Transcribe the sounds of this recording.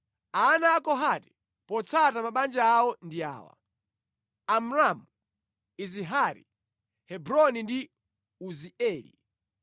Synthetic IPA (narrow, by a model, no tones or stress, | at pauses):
aːnaːkɔɦatɛ̥ | pɔt͡sʰatamaɓand͡ʒaːwɔndia̰ːwa̰ | am̩ɾamu | iziɦaɾḭ | hɛbɾɔnindi | uziɛːlḭ